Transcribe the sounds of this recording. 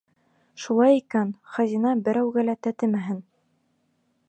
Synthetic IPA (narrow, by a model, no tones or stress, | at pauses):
ʃulˠɑjikænχæzʲinɑbɘ̆ɾæwɡælæt̪æt̪ɘmæɦɘn